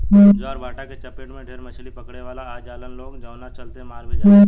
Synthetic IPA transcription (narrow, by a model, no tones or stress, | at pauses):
oɔːɾbʱaːʈaket͡ʃɐpeʈmẽɖʱeːɾmɐt͡ʃʰlipɐkɽeʋaːlaaːd͡ʒaːlənloːɡd͡ʒãːnat͡ʃɐlt̪eɦmaːlbia